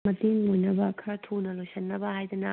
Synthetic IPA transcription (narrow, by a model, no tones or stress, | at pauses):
mɐtiŋlojnɐbɐkʰɐɾɐtʰonɐlojsɐnːɐbɐhajd̪ɐnɐ